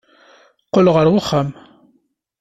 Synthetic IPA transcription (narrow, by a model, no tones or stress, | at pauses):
qːolʁəɾwəχːam